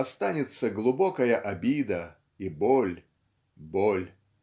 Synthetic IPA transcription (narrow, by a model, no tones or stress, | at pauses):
ɐst̪anʲɪt̪səɡlˠʊbokəjəʔɐbʲid̪ə | ibolʲ | bolʲ